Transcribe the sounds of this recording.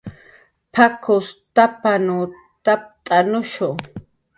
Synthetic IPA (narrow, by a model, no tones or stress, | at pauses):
pʰakʰʊst̪apanʊ | t̪ap̚t̪ʼanʊʃʊ